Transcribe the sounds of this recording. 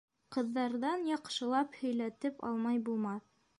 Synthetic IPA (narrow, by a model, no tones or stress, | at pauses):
qɤ̆ðːɑɾðɑnjɑqʃɤ̆lˠɑphɵ̆jlæt̪ɘpɑ̰lˠmɑjbulˠmɑθ